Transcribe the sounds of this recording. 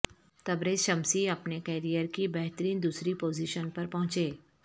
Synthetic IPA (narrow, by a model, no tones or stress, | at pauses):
t̪ɐbɾeʃɐmsiɐpnekɛːɾijəɾkibɛɦt̪əɾiːnd̪uːsɾipoːziːʃənpɐɾpɐɦʊ̃t͡ʃeː